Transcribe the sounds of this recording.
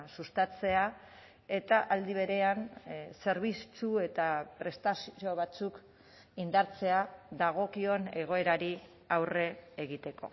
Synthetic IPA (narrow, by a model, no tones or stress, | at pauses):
sust̪at͡se̞a | e̞t̪aʔald̪iβe̞ɾe̞anse̞ɾβist͡sue̞t̪apɾe̞st̪asio̞β̞at͡suk | ind̪aɾt͡se̞aðaɣ̞o̞kio̞ne̞ɣ̞o̞e̞ɾaɾi | awre̞ːɣit̪e̞ko̞̰